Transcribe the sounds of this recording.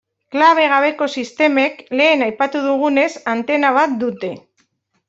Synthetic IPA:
klaβ̞e̞ɣ̞aβ̞e̞ko̞sist̪e̞me̞kle̞ːnajpat̪uð̞uɣ̞une̞sant̪e̞naβ̞at̪̚d̪ut̪e̞

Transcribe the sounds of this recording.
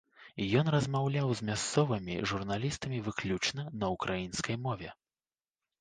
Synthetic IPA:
jɔnrɐzmawlʲawzmʲast̪sɔvɐmʲḭʐurnalʲist̪ɐmʲivɨklʲut͡ʂnɐnɐukɾʔajinskɐjmɔvʲɛ

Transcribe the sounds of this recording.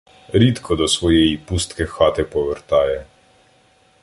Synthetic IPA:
ɾit̪kʰɔd̪ɔsʋɔːjɛipust̪kɛxaːt̪ɛpɔʋəɾt̪aːjɛ

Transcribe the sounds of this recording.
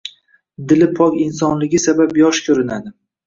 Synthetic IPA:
d̪ɪlɪpʰɒkʲɪnsɒnlɪɡʲɪsabapjɒʃkʲʰɵɾɪnad̪ɪ

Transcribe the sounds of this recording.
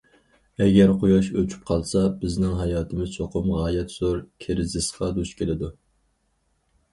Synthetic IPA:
ɛɡʲɛɾqʰojɑʃøt͡ʃʰy̥p̚qʰɑlˠsɑbɪznɪŋɦɑjɑːt̪ʰɪmɪz̥t͡ʃʰoqʰʊmʁɑːjɛt̪z̥oɾkʲʰeɾɪzɪsqɑd̪uʃkʲʰelɪd̪u

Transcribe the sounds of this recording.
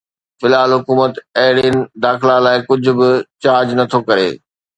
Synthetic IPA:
fɪlaːlɦʊkuːmət̪ɐɦɪɽiːnɪ̆d̪aːxɪlalaːɪkʊd͡ʑʱʊ̆bɪt͡ɕaːd͡ʑnɐt̪ʰokɐɾḛː

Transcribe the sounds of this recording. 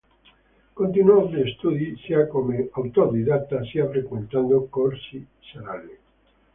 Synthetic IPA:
kõnt̪inuozðeest̪uðiseakomeawt̪oɾðiðak̚t̪asiafɾekwẽnt̪and̪okoɾsi | saɾale

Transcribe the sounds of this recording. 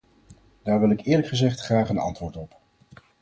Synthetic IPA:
d̥aːɹʋɪlˠɪkɪːɹləkχəzɛχtχraːχənɑ̰ntʋʊːɹtɔp

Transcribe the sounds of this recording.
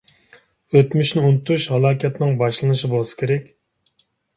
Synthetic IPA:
øt̪myʃnɪunɨt̪ʰuʃhɑlˠɑːkʲʰɛt̪nɪŋbɑʃlˠɨnɨʃibolˠɨsɨ̥kʲʰeɾɛkʲ

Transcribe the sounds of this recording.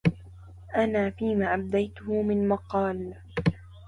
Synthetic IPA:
ʔanaːfiːmaːʔab̚d̪ajt̪ʊhʊmɪnmɑqɑːl

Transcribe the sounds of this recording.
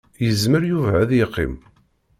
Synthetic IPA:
jəzməɾjuvæðjɪqːḭm

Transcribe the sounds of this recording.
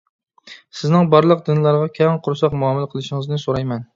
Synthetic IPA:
sɪznɪŋbɑɾlˠəqd̪ɪnlˠɑɾʁɑkʲʰɛŋqʰʊɾsɑqmuɑmɨlˠqʰəlˠɨʃɪŋɨznɪsoɾɑjmɛn

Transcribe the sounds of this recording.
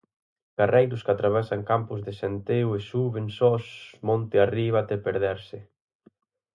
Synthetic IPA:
karɛjd̪ʊskat̪ɾaβ̞ɛsaŋkampʊzðɪsent̪ewesuβɪnsɔsmɔ̃nt̪ɪariβ̞at̪ɛpeɾðɛɾsɪ

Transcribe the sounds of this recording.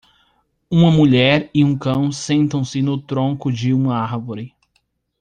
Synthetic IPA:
ũmɐmuʎɛɾɪũkɐ̃w̃sẽnt̪ɐ̃w̃sɪnʊt̪ɾõŋkʊd͡ʒɪũmɐaɾvoɾɪ

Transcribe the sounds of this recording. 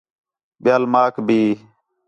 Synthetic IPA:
ɓɪjaːlmaːkʰbʱiː

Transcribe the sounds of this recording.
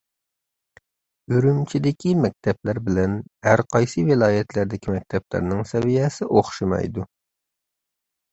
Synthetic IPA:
yɾymt͡ʃʰid̪ɪkʲimɛk̚ʲt̪ʰɛplæɾbɪlɛnhæɾqʰɑjsɨvɪlˠɑːjɛt̪læɾd̪ɪkʲʰimɛk̚ʲt̪ʰɛplæ̰ɾnɪŋsɛvijɛsɪʔoχʃimɑ̰jd̪u

